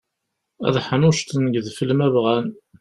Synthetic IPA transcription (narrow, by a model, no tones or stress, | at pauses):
æ̰ðħənʊʃt̪nɡðfəlmævʁæn